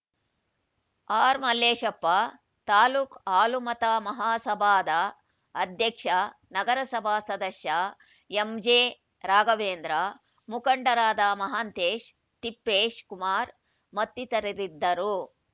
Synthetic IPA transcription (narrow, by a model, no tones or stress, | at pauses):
aːɾmɐleːʃɐpːa | t̪aːluːkaːlumɐt̪amɐɦaːsɐbʱaːd̪ɐː | d̪ʱjɐkʂɐ | nɐɡɐɾɐsɐbʱaːsɐd̪ɐʃjɐ | emd͡ʒeː | ɾaːɡɐʋeːnd̪ɾa | mukɐɳɖɐɾaːd̪amɐɦaːnt̪eːʃ | t̪ipːeːʃkumaːɾ | mɐt̪ːit̪ɐɾiɾid̪ːɐɾu